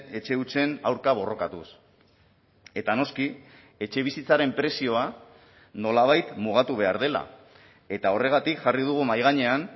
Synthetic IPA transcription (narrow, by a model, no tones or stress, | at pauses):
e̞t͡ʃe̞ut͡se̞nawɾkaβ̞o̞ro̞kat̪us | e̞t̪ano̞ski | e̞t͡ʃe̞β̞isit͡saɾe̞mpɾe̞sio̞a | no̞laβ̞ajt̪muɣ̞at̪uβ̞e̞aɾð̞e̞la̰ | e̞t̪ao̞re̞ɣ̞at̪ikʝarið̞uɣ̞umajɣ̞aɲe̞an